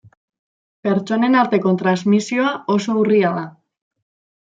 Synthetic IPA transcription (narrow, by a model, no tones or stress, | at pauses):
peɾt͡ʃonenalt̪ekont̪ɾazmisjoaosouriaða